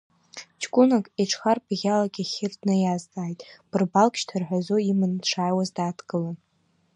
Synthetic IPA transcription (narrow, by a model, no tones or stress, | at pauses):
t͡ʃʰkʷʼʊnakʼiʈ͡ʂʰχarbɣʲalakʲʼaχʲɪrdnɨjazdaːjtʼb̥ɨrbalkʲʼʃtʰarħʷᶣazoimɨnʈ͡ʂʰaːjwazdaːtʰɡʼɨlan